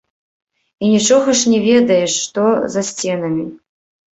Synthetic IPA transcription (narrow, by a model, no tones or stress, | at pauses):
inʲit͡ʂɔɣɐʂnʲɛvʲɛd̪ɐjɛʂːt̪ɔzɐsʲt͡sʲɛn̪ɐmʲi